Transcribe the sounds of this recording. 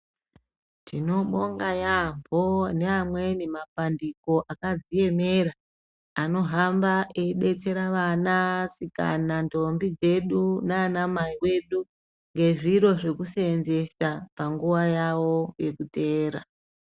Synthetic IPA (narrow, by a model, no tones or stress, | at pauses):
tino̞ɓo̞ŋɡajambʱo̞neamwe̞nimapandiko̞ʔakad͡zije̞me̞ɾaː | no̞ɦambaʔeiɗe̞t͡se̞ɾaʋanasika̰nando̞mbid͡ze̞ɗunaːnamaiwe̞ɗu | ŋɡe̞ʐiɾo̞ʐe̞kuseenze̞sapaŋɡuʋajawo̞je̞kute̞ːɾa